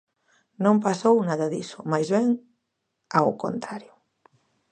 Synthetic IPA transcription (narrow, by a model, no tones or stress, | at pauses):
nõmpasownaðɐðisʊmajzβɛŋ | awko̰nt̪ɾaɾjʊ